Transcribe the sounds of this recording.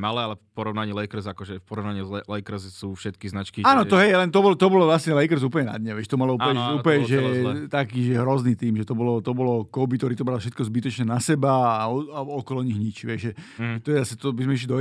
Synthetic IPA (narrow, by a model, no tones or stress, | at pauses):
malɛalɛpɔɾɔʋnaɲiːlɛjkɾ̩sakɔʒɛfpɔɾɔʋnaɲiːzlɛjkɾ̩ssuːfʃɛt̪kiznat͡ʃkiaːnɔt̪ɔɦɛjlɛnt̪ɔbɔlɔt̪ɔbɔlɔʋlasɲɛlɛjkɾ̩zuːp̬əɲɛna̰d̪ɲɛʋɛʃt̪ɔmalɔuɛuːplɲɛʒɛt̪akiːʒɛɦɾɔzniːt̪iːmʒɛt̪ɔbɔlɔt̪ɔbɔlɔkɔbit̪ɔɾiːt̪ɔbɾalfʃɛt̪kɔzbit̪ɔt͡ʃɲɛnasɛbaaɔɔkɔlɔɲiɦɲit͡ʃʋɛʒʒɛʒɛt̪ɔjɛzasɛt̪ɔbizmɛiʃ̬lid̪ɔ